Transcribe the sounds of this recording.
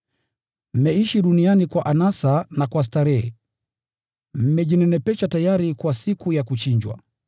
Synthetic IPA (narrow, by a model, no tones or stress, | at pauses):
m̩mɛiʃiɗunianikwaʔanasanakwas̬taɾɛɛ | m̩mɛʄinɛnɛpɛt͡ʃatajaɾikwasikujakut͡ʃiɲd͡ʒwa̰